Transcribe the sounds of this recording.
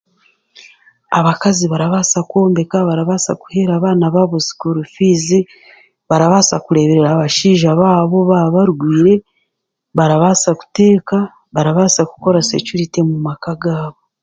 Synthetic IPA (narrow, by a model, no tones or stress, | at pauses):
aβakaziβaɾaβaːsako̞ːmbe̞kaβaɾaβaːsa̰ku̥he̞ɾaːβaːnaβaβuzi̥kuɾufiːzi | βaɾaβaːsakuɾe̞βe̞ɾeɾaβaʃiːʒaβaːβo̞βaβaɾɡwiːɾe̞ | βaɾaβaːsaku̥te̞ːka | βaɾaβaːsaku̥ko̞ɾase̞̰cuɾite̞mumakaɡaːβo